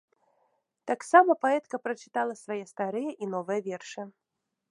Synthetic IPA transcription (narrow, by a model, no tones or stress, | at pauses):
t̪aksamɐpaɛt̪kɐpɾɐt͡ʃɨ̥t̪alˠɐsvajɛst̪aɾɨjɛʔinɔvɨjɐvʲɛrʂɨ